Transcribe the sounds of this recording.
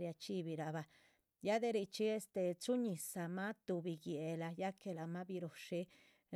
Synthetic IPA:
ɾja˧t͡ʃi˦bi˨ɾa˨βa˧ | ja˦d̪e˧ɾi˧˨t͡ʃi˦e˦st̪e˧t͡su˦ɲi˨sa˧ma˦t̪u˧bi˨ɡje˨la˧ja˦ke˧la˨ma˦bi˧ɾo˨ʂi˦

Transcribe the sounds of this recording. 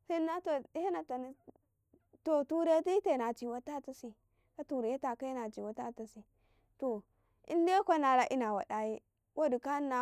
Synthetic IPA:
se˦na˦to˨i˦ha˦na˨ta˨ni˦ | to˨tu˦ɾe˦ti˦te˦˨na˨t͡ʃi˨wa˦ta˦˨ta˦si˨ | ka˦tu˨ɾe˨je˦ta˨ka˦jna˨t͡ʃi˨wa˨ta˦˨ta˨si˨ | to˨ | ḭ˦n˦de˦kʷa˦na˨la˦ʔi˦na˨wa̰˨da˨ji˦ | wʔa˦du˨ka˦na˦

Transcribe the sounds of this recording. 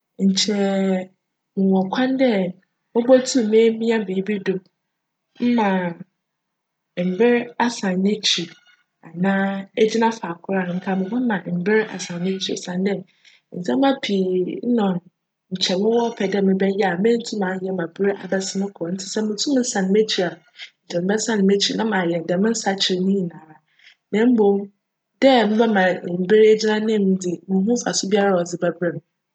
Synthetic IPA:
ɲ̩˨t͡ɕʰɛ˨ | mɪ̃˨wɔ̃˨kʷʰã˦ndɛ˦ | mʊ̃˦bɔ˦tʰu˦˨mẽ˦mĩ˦a˦mɪ̃˨i˦bi˦do˨ | m̩˦mã˨ | m̩˨bɪ˦ɾa˨sã˨nnːɪ̃˦t͡ɕʰi˨ | a˨nãː˦e˦d͡ʑi˦nã˦fa˨kʰʊ˦ɾa˨ŋ̩˦kʰa˦˨mɪ̃˨mɔ̃˦mã˨m̩˨bɪ˦ɾa̰˨sã˨nnɪ̃˦t͡ɕʰi˨sã˨ndɛ˦˨ | n̩˨sɛ̃˦m˦ã˦pʰi˨˦nɔ̃˨n | ɲ̩˨t͡ɕʰɛ˨mɪ̃˦wɔ˦pʰɛ˨dɛ˦˨mɪ̃˦bɛ˦jɛ˦a˨mɪ̃˦n̩˦tʰũ˦mã˨˦jɛ˦mã˨bɾʔa̰˨bɛ˦sɪ˦nʊ̃˦kʰɔ˨n̩˦tʰɪ̥˨sɛ˦mɪ̃˨˦tʰũ˦m̃˦n̩˦sã˨nɪ̃˨me˦t͡ɕʰi˨ɾa˨n̩˨t͡ɕʰɛ˨m̩˦bɛ˦sã˦nɪ̃˨me˦t͡ɕʰi˨nã˦mã˨jɛ˨m˨dɛ˨mɪ̃˦n̩˦sa˨t͡ɕʰɪ˨ɾnĩ˦i˨nãː˨ɾa˨ | nɛ̃˦m̩˦bõ˨˦m | dɛ˦mɪ̃˦bɛ˦mã˨m̩˨bɪ˦ɾe˦d͡ʑi˦nã˦nɪ̃˦m˨˦dɪ˨mɪ̃˨˦ɦũ˦fa˨sʊ˦bi˦a˦ɾa˦˨wɔ˨d͡zɪ˦bɛ˦bɾɛ˨m

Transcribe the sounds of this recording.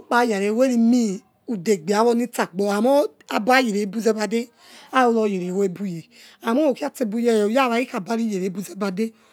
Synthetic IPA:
k͡pa˨˦ja˨ɾe˨we˦ɾi˧mi˦ | u˨de˨ɡ͡be˨a˨˦wɔ˧ni˦t͡sa˨ɡ͡bɔ˨a˨mɔ˦ | a˨ba˦je˨ɾe˨˦bu˦zɛ˦ba˧de˦ | a˦o˧lɔ˧je˨ɾe˨we˦e˨˦bu˦je˨ | a˨mo˦o˨ki˦a˦te˧bu˦je˦˨jja˦βa˨˦i˦ka˨ba˦ɾi˦je˨ɾe˨˦bu˦zɛ˦ba˧de˦

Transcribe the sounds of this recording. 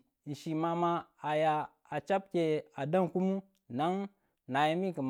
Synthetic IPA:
n̩˨ʃi˨ma˨ma˦a˨jaː˨ | t͡ʃa˦p̚kʲe˨a˨da˦ŋku˦mu˦ | na˦ŋ | na˨ja˦mi˦kə˨m

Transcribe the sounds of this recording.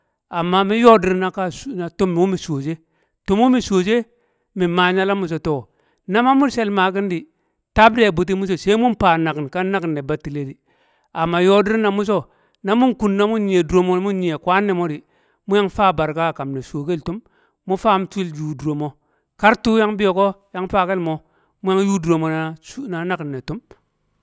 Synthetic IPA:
a˨mːa˦mi˦jo˦di˦ɾna˦ka˦sna˨to˦mː˨wu˦mi˨soː˨d͡ʒe˦ | to˦m˦wu˦mi˨so˨d͡ʒe˦ | mi˨ma˨ɲa˦la˦mu˨s̬o˨to˦˨ | na˦ma˦mu˦ɾse˦lma˨ki˦ndi˨ | ta˦bde˦˨bu˨t̬i˦mu˦s̬o˨se˦mu˦m˦pa˨na˨knka˦na˦knːe˨ba˨tːi˨le˦di˨ | a˨mːa˨jo˦di˦ɾna˨mu˦s̬o˦ | na˦mu˦nku˨nːa˦mu˦ɲi˨e˨du˨ɾo˨mo˦mu˦nɲi˨e˨kwa˦nːe˨mo˦di˨ | mu˦ja˦ŋfaː˦ba˨ɾka˦˨ka˨mne˨so˨ke˦ltu˦mː | u˦fa˦mtu˦i˦ld͡ʒu˨du˨ɾo˨mo˨ | ka˦ɾtu˦ja˦ŋbi˦jo˨ko˦ja˦ŋfa˦ke˦lmo˨ | mu˦ja˦ŋju˦du˨ɾo˨mo˨na˨˦na˨na˦ki˨nːe˨tu˦m

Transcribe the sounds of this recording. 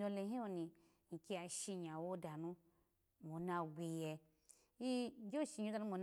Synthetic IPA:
o˧le˧˦ɦĩ˦o˧ni˧ | ŋi˨ki˧a˧˨ʃi˧ɲa˨wo˦da˨nũ˧ | mo˨˦na˧ɡʷe˧jɛ˧ | i˦d͡ʒo˦˨ʃi˧ɲ˦o˧˦a˧nu˦mo˧˦n

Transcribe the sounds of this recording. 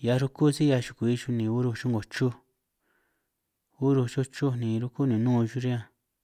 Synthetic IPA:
ja˧ɾu˦ku˦si˦ja˧ʃu̥˨ku˨i˧ʃu˧nĩ˨u˦ɾu˧t͡ʃu˦ŋɡo˨t͡ʃu˦ | u˦ɾu˧t͡ʃu˦t͡ʃu˦nĩ˨˧ɾu˦ku˦nĩ˨nũː˦˧ʒu˦ɾi˦ã˧

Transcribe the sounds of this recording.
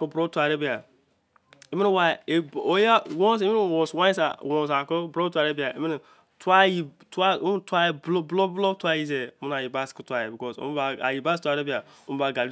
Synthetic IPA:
ko˦bɾo˦tu˦a˨ɾe˦bi˨a˨ | i˦mi˦n˦wa˨e˨o˦ja˦wõ˦s̬i˦mi˦˨wo˨swã˦sa̰˨wõ˨s̬a˨ko˦bɾo˦tu˦a˨ɾe˦ba˨e˦mi˦n˨ | twa˦ji˨ | ta˦m˦tʷa˦blo˦blo˦blo˦twa˦ji˦s̬e˨˦mu˦na˨ji˨ba˦sku˦tʷa˨je˨bi˨kɔ˦so̰˦m˦ba˨a̰˨ji˨ba˦stu˦a˨ɾe˦bi˦a˨ | o˦m˦ba˨ɡa˨li˦

